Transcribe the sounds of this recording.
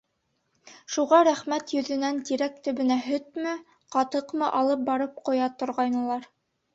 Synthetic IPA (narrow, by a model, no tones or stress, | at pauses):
ʃuʁɑɾæχmæt̪jɵ̆ðɵ̆nænt̪iɾækt̪ɵ̆βɘ̆næɦɵt̪mɘ | qɑt̪ɤqmɤʔɑlˠɤp̚bɑɾɤp̚qŏjɑt̪ŏɾʁɑjnɤ̆lˠɑɾ